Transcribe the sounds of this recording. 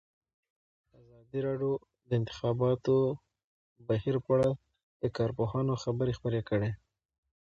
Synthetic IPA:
azɑd̪iɾɑɖjo | d̪əɪnt̪ɪ̥xɑbɑt̪o | bahiɾpaɽa | d̪̥əkɑɾpohɑnoxabəɾexpəɾekəɽe

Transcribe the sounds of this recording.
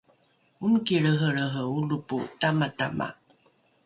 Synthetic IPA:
unkiɾəɦəɭəɦəulupṵtamata̰mʔa̰

